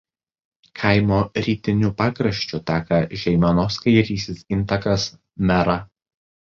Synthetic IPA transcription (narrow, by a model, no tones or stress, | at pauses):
kʰɐˑɪmoːɾʲiːt̪ʲɪnʲupɑːkɾɐʃʲt͡ʃʲʊt̪ʲɑːkɐʒʲɛɪmʲɐnoskɐɪɾʲiːsʲɪsɪnt̪ɐkɐs | mʲɛɾɐ